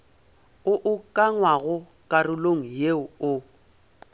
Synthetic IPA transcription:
ʊʔʊkʼaŋwaɣʊ | kʼarʊloŋ̩jeʊʊ

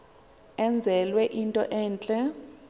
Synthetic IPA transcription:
ɛnd͡zʱɛlwɛʔintʼɔ̰ʔɛːnt͡ɬʼɛ

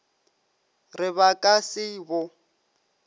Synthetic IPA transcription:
rɪβakʼasɪbʊ

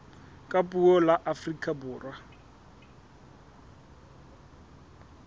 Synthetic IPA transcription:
kʼapʼuɔlaʔafrikʼabʊːrwa

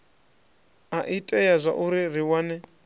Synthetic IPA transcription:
aʔitʼɛjazʷa̰ʔuɾir̤iwanɛ

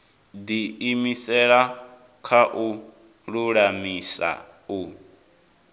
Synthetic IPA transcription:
d̪iːmisɛɺa | kʰaʔu | ɺuɺamisa̰ | u

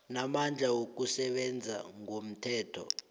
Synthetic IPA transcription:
namand͡ɮʱawok̬usɛɓɛnd͡zʱa̰ŋom̩tʰɛːtʰɔ̰

